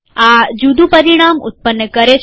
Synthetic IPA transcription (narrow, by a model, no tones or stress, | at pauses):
ad͡ʒud̪ʱupəɾiɽ̃amṵt̪̚pənːəkəɾet͡ʃʰ